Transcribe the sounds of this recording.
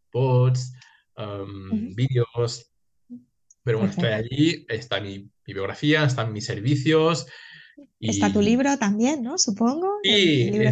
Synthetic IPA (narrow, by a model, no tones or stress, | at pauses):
pot̪s | embiðeos | peɾwenost̪ajaʎiest̪amibiβjo̞ɣɾa̰fiaest̪amːiseɾβiθjos | iest̪at̪uliβɾot̪ambje̞nːosupoŋɡoiliβ